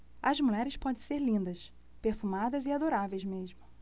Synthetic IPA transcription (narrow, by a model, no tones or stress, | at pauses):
ɐzmuʎɛɾɪspɔd̪ẽseɾlĩnd̪ɐs | peɾfumad̪ɐziad̪oɾavejzmeʒmʊ